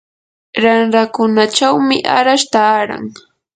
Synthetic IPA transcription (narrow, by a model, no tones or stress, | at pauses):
ɾanɾakʊnat͡ʃawmɪʔa̰ɾaʃt̪aːɾa̰ŋ